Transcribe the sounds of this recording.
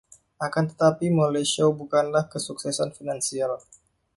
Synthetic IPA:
ʔakant̪ə̥t̪apimoleʃiobukanlahkəsuksɛsanfinansial

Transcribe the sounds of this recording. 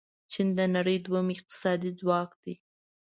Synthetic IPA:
t͡ʃind̪ənaɽəjd̪wamɪq̚t̪ɪ̥sɑd̪id͡zwɑkd̪̥i

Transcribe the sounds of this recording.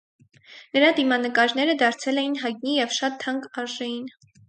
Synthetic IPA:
nəɾɑd̪imɑnəkɑɾnɛɾəd̪ɑɾt͡sʰɛlɛjinɦɑjt̪̚nijɛvʃɑt̪ʰːɑŋkɑɾʒɛjin

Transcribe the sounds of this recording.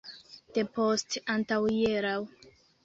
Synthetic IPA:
d̥epostantawjeɾaw

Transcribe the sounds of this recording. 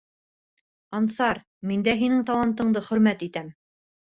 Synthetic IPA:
ɑnsɑɾ | mind̪æɦinɘŋt̪ɑlˠɑnt̪ɤ̆ɴd̪ɤχɵ̆ɾmæt̪it̪æm

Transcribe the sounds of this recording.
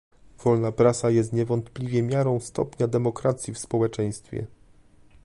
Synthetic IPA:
v̥ɔlnapɾasajɛst̪ɲɛvɔnt̪plʲivʲjɛmʲjaɾɔ̃w̃st̪ɔ̰pɲad̪ɛmɔkɾat̪sʲjifspɔwɛt͡ʂɛj̃st̪fʲjɛ̰

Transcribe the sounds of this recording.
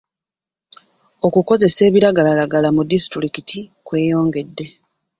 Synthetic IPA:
o̞kuko̞ze̞se̞ːβiɾaɡalalaɡalamudisi̥tuɾikitikwe̞ːjo̞ːŋɡe̞dːe

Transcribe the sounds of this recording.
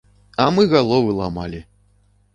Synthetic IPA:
ɐmɨɣalˠɔvɨlˠama̰lʲi

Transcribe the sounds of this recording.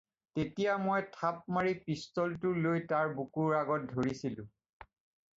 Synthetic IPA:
tetijamojtʰap̚maɹipistɔltʊlojtaɹbukuɹaɡɔt̚dʱoɹisilʊ̰̃

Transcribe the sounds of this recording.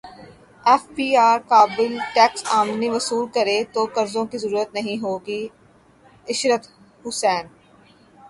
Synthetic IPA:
ɛːfpiːaːɾkaːbɪlʈɛːksaːmniʋɐsuːlkɐɾet̪oːkɐɾzõkizəɾuːɾət̪nɐɦĩɦoːɡi | ɪʃɾət̪ | hʊsɛːn

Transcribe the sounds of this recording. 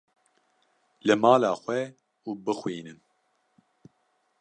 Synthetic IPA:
lɨmɑːlaːxʷɛ | uːbɨxwiːnɨn

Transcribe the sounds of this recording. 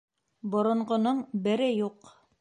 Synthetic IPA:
bŏɾŏɴʁŏnoɴbɘ̆ɾɘjuq

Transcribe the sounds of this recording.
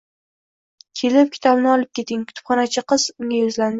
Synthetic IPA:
kʲʰe̞lɪp̚kʲʰɪ̥t̪ʰɒbnɪɒlˠɪp̚kʲʰe̞t̪ɪŋkʰʊ̥t̪ʰʊ̥pχɒnat͡ʃʰaqɨz̥ʊŋʲajʊzlan

